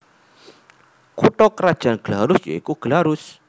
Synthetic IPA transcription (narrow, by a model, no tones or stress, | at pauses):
kut̪ɔkəɾḁd͡ʒ̥anɡ̥əlaɾusja̰ikuɡ̥əlaɾus